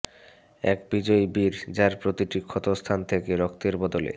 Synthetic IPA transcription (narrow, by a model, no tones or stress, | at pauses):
ɛ̰kbid͡ʑɔjbiɾd͡ʑaɾpɾot̪iʈikʰːɔt̪ost̪ʰant̪ʰekeɾɔkt̪eɾbɔd̪olḛ